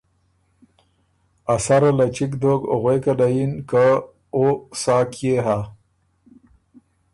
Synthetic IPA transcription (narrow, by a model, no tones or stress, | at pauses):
asaɾalat͡ʃikd̪oɡo̰ɣwekalajinka | osaːkjeɦa